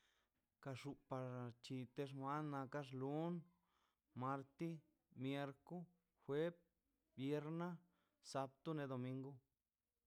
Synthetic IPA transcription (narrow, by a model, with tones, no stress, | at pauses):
ka˧ʂu˧pa˨ɾt͡ʃi˧t̪e˦ʂ̬mʷa˦nːa˧ka˦ʂ̬lu˦n | ma˧ɾt̪i˦ | mje˧ɾku˦ | xwʷe˦p̚ | bje˧ɾna˦ | sa˧p̚t̪u˦ne˧d̪o˨mi˧ŋɡu˦